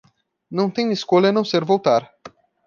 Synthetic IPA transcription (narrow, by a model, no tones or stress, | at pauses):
nɐ̃w̃t̪ẽj̃iskolɐnɐ̃w̃seɾvowt̪aɾ